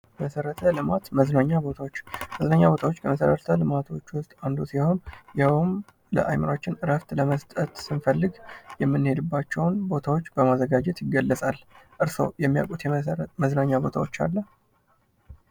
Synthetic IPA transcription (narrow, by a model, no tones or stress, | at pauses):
məsəɾət̪ʰəlɨmat̪məznaɲːabo̞t̪ʰawot͡ʃːməznaɲːabo̞t̪ʰawot͡ʃːkʰəməsəɾət̪ʰəlɨmat̪ʰo̞t͡ʃːwʊst̪ʼand̪osiho̞njawn | lə̰ʔa̰jməɾaot͡ʃːɪnɨɾəft̪ləməst̪ʼət̪sɨnfəlːɨɡjɛmːɨnːhe̞d̪ɨbːat͡ʃːɛwnbo̞t̪ʰawot͡ʃːbəmazəɡad͡ʒɛt̪jɪɡːəlːəsʼalʔɨɾso̞̰jɛmːija̰kʼut̪jməznaɲːabo̞t̪ʰa̰wo̞t͡ʃːa̰lːə